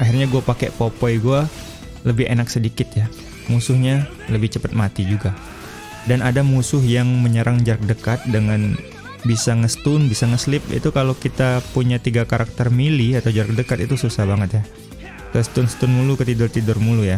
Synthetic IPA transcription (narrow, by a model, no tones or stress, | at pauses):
ʔaɦirɲaɡuapakɛʔpopɔjɡua | ləbɪɦḛnak̚sədikɪt̪ja | musʊhɲa | ləbɪht͡ʃəpət̪̚mat̪id͡ʒuɡa | danadamusʊɦjaŋməɲəɾʔaŋd͡ʒaɾk̚dəkat̪̚dəŋan | bisaŋəst̪ʊnbisaŋəslɪp̚ḭt̪ukalokit̪apuɲat̪iɡakaɾak̚t̪ərmiliat̪awd͡ʒaɾək̚dəkat̪it̪ususahbaŋət̪ja | kəst̪ʊnsə̥t̪ʊnmulukət̪idʊrt̪idʊrmuluja